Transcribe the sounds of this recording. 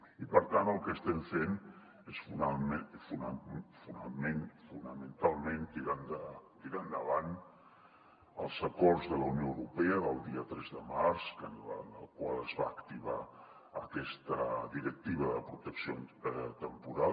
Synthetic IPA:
ipəɾt̪anəlˠkəst̪ɛɱfen | esfunamefunafunəmenfunəmənt̪alˠment̪iɾand̪ət̪iɾand̪əβan | əlˠzəkɔrzðələwnjowɾupɛəðəlˠd̪iət̪ɾɛzðəmaɾskənlənə̰lˠkwalˠəzβa̰ːkt̪iβa | əkɛst̪əðiɾək̚t̪iβəðəpɾut̪əksiot̪əmpuɾa

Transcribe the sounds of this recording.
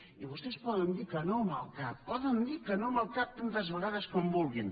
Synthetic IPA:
iβost̪espɔðənd̪iɾkɐnõmalˠkat̚pɔðənd̪iɾkɐnõmalˠkat̚t̪ːant̪ɐzβəɣaðɐskombulˠɣin

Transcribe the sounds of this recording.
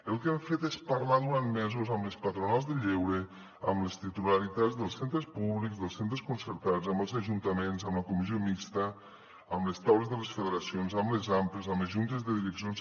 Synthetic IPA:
elˠkɛɱfet̪espaɾlaðuɾanmɛzuzəmlespat̪ɾunalˠzðəʎewɾe | ə̰mlest̪it̪ulaɾit̪ad͡zðəlˠsent̪ɾəspuβlikzðəlˠsent̪ɾeskunsəɾt̪ad͡zəmbəlˠzaʒunt̪əmenzəmləkumiziomikst̪ə | əmlest̪awlezðəlesfəðeɾasionzəmlezamplezəmlezʒunt̪ezðəðiɾəksions

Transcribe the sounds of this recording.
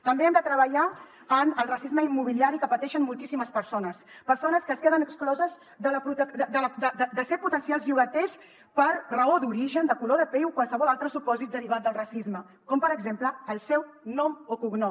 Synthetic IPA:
t̪əmbeɛmd̪ət̪ɾəβəʎa | ənəlˠrəsizməimːuβ̞iliaɾikəpət̪ɛʃənmulˠt̪isiməspəɾsonəspəɾsonəskəskeðənəksklɔzəz | d̪ələput̪əd̪əd̪əld̪əd̪əd̪əseɾput̪ənsialˠzʎiuβət̪ɛs | pəɾrəod̪uɾiʒənd̪əkuloðəpɛwkwalˠsəβɔlalˠt̪ɾəsupɔzit̪̚d̪əɾiβ̞at̪̚d̪əlˠrəsizmə | kɔmpəɾəɡzempləːlˠsɛw | nɔmokuɡno

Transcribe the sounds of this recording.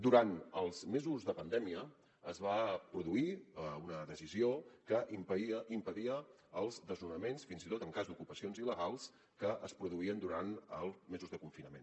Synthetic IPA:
d̪uɾanəlˠzmezuzðəpənd̪ɛmiə | əzβapɾuðuiunəðəsiziokəʔpimpəðiəː | lˠzðəznunəmensfinzit̪ot̪əŋkazd̪ukupəsionziləɣalˠs | kəʔəspɾuðuiənd̪uɾanəlˠmezuzðəkuɱfinəmḛn

